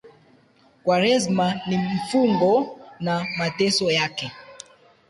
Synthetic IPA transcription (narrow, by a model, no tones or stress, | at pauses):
kwaɾɛzmanim̩fuŋɡɔnamatɛsɔjakɛ